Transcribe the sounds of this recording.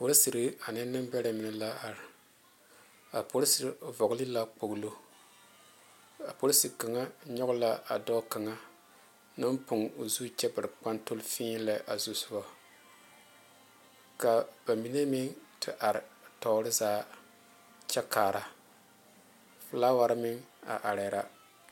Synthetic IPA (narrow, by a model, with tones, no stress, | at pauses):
po˦ɾsɨ˨ɾɨ˦a˨nɛ˦nɨ˦mbɛ˦ɾa˨mi˨nɛ˦la˦a˨ɾɪ˨ | a˨po˦ɾsi˨ɾvɔ˨ɡli˦la˦k͡po˨ɡlo˦ | a˨po˦ɾsi˨ka˨ŋa˦ɲɔ˦ɣʊ˦la˦a̰˨dɔ˦ka˨ŋa˦ | nɨ˦mpʊ˨ŋo˨zuː˦t͡ʃɛ˦bɨ˨ɾɨ˨k͡pa˦nto˦lfĩː˦la˦ʔa˨zu˨sʊ˦ba˦ | ka˨b̥a˨mi˨˦ne˦mi˦ŋtʰɨ˨ʔa˨ɾɪ˨tɔ˨˦ɾɨ˦zaː˦ | t͡ʃɛ˦kaː˨ɾa˨ | fɨ˨˦laː˦wa˦ɾmɪ˦ŋa̰˨ʔa˨ɾe˨˦ɾa˦